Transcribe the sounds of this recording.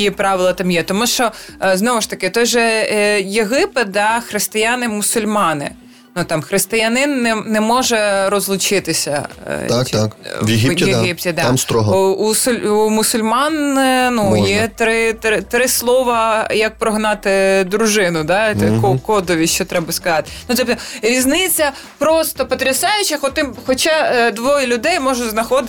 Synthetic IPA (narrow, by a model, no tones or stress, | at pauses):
kʲipɾɑʋɪlˠɐt̪ɑmjɛt̪ɔmuʃt͡ʃɔznɔʋʊʃt̪ɐkɪt̪ɔjʒɛjeɦɪpɪt̪̚d̪ɑxɾɪst̪ɪjɑnɪmʊsʊlʲmɑnɪ̰ | nut̪ɑmxɾɪst̪ɪjɐnɪnːɛnɛmɔʒɛɾɔzlˠʊt͡ʃɪt̪ɪsʲɐ̰ | kʋjeɦijeɦip̚tʲid̪ɑmst̪ɾɔɦusʊlʲumʊsʊlʲmɑnnujɛt̪ɾɪt̪ɾɪt̪ɾɪslˠɔʋɐjɐk̚pɾɔɦnɑt̪ɪd̪ɾʊʒɪnʊd̪ɑkɔkɔd̪ɔʋʲiʃt͡ʃɔt̪ɾɛbɐskɐzɑt̪ɪ̥nut̪ɛpɛɾʲiznɪt͡sʲːɐ | pɾɔst̪ɔpɔt̪ɾʲɪsɑjʊt͡ʃɪxɔt̪ɪmxɔt͡ʃɑd̪ʋɔjɛlʲʊd̪ɛjmɔʒʊznɐxɔd̪ɪ